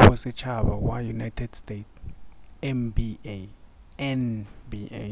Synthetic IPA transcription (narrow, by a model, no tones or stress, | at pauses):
ɛsɛt͡ʃʰaɓawajunajtʰɛd̥stet | ɛmbi | ɛnbi